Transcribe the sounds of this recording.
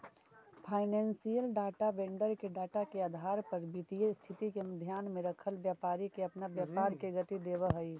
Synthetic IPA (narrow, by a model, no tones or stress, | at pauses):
pʰaːɪnɛ̃ːnsijəlɖaːʈabẽːɳɖəɾkeɖaːʈakeaːd̪ʱaːɾpɐɾbit̪ijest̪ʰɪt̪ikemd̪ʱjaːnmẽɾəkʰəlʋjaːpaːɾikeɐpnaʋjaːpaːɾkeɡɐt̪id̪eːʋəɦəi